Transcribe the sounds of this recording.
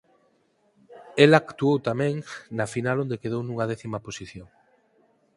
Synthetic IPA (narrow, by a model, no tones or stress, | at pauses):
elakt̪uowt̪amɛ̃ŋnɐfinalond̪ekeð̞ownuŋɐðɛθimɐposiθjoŋ